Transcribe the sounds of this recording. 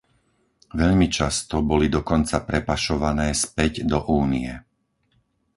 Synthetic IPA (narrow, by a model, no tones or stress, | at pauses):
ʋɛʎmit͡ʃast̪ɔbɔlid̪ɔkɔnt͡sapɾɛpaʃɔʋanɛːspɛɟd̪ɔʔuːnijɛ